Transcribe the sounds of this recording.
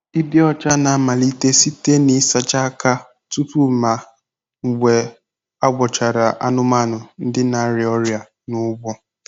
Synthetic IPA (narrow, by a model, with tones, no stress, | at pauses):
i˦bi˦ɔ˦t͡ʃa˦na˨˦ma˨li˦te˦si˦te˦ni˦sa˨t͡ʃa˦ka˦ | tu˦tu˦˨ma˨ | ŋ̩˨ɡʷe˨ | a˦ɡʷɔ˨t͡ʃa˨ɾa˨ʔa˦nʊ˦ma˦˨nʊ˨n̩˦dɪ˦na˨˦ɾɪ˨ɔ˦ɾja˨ | nʊ˦ɡ͡bʷɔ˦